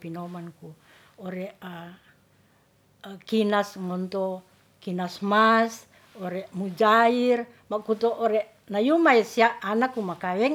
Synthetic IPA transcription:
pinomanku | oɾɛʔa | kinasŋɔnt̪ɔ | kinasmas | oɾɛʔmud͡ʒair | makut̪oʔːɾɛʔ | najumaɛsiaʔːnakːumakawɛŋ

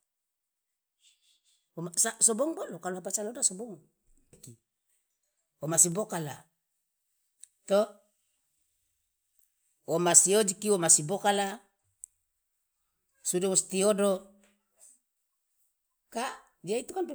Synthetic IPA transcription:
omasasobɔŋbolokaluɦapasanodasobɔŋ | ki | omasibokala̰ | t̪o | womasiod͡ʒikiwomasibokala | sudawust̪iodo | ka | d͡ʒiait̪ukanp

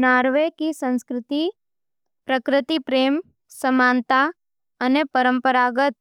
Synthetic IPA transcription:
naːɾʋekisə̃nskɾɪt̪i | pɾəkɾɪt̪ipɾeːm | səmaːnt̪a | ɐnepəɾə̃mpəɾaːɡət̪̚

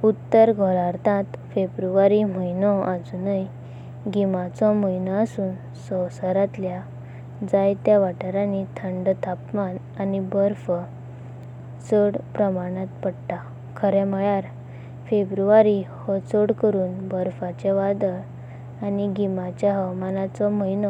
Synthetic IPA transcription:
ut̪ːəɾɡʱɔɾaɾt̪ãt̪febɾuʋaɾim̤əjnɔad͡zunəj | ɡimat͡sɔməjnəəsuːn | sɔwsəɾat̪lja | d͡zajt̪jaʋaʈəɾãnit̪ʰəɳɖt̪ʰapman | anibəɾfə | t͡səɽpɾəmaɽ̃ãt̪pəɽʈa | kʰəɾɛməjaɾ | febɾuʋaɾihɔt͡səɽkəɾuːnbəɾfat͡ɕɛʋad̪əɾ | aniɡimat͡ɕjaɦəwmanat͡sɔməjnɔ

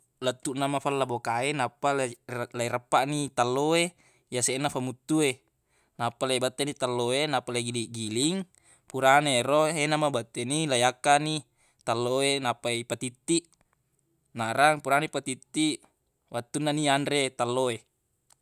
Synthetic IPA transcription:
lat̪ːuʔnamafalːabokaenapːalaiɾapːaʔnit̪alːoe | jaseʔnafamut̪ːue | napːalaibat̪ːenit̪alːoenapːalaiɡiliʔɡiliŋ | puɾanaeɾoɦenamabat̪ːenilajakːani | t̪alːoenapaipat̪it̪ːiʔ | naɾaŋpuɾanipat̪it̪ːiʔ | wat̪ːunːanianɾet̪alːoe

